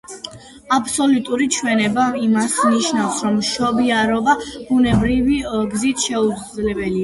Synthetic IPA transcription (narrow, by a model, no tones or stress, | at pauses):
apʰsɔlut̪ʼuɾit͡ʃʰwɛnɛbaimasniʃnafsɾɔmʃɔbiaɾɔbab̥unɛbɾiviɡzit̪ʰʃɛuzlɛbɛlia